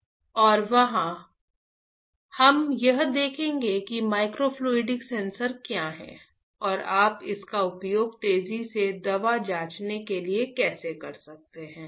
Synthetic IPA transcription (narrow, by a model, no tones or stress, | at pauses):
ɔːɾʋɐɦã | hɐmjɐɦd̪eːkʰẽːŋɡekimaːɪkɾopʰloːɪɖɪksɛ̃ːnsəɾkjaːɦɛ̰̃ | ɔːɾaːpɪ̰skaʊpjoːɡt̪eːzised̪ɐʋad͡ʒaːt͡ʃnekeliekɛːsekɐɾsɐk̚t̪eɦɛ̃ː